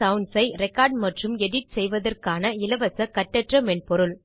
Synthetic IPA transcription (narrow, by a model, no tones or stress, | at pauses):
ɐʋʊnɖsɐɪɾɛkaːɾɖmɐʈrɯmɛɽɪʈ̚sɛjʋɐðɐrkaːnɐɪlɐʋɐsɐkɐʈːɐʈrɐmɛnpɔɾɯɭ